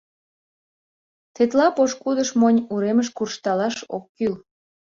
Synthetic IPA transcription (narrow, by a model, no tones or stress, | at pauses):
t̪et̪lɑpoʃkud̪əʃmonʲuɾeməʃkurʃt̪ɑlɑʃo̰kːyl